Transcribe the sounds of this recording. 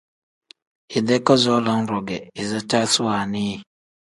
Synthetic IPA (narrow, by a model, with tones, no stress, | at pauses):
i˨dɛ˦ka˦zɔ˦la˦ŋ˦ɾɔ˨ɡɛ˨i˨za˦ta˦su˦a˨ni˦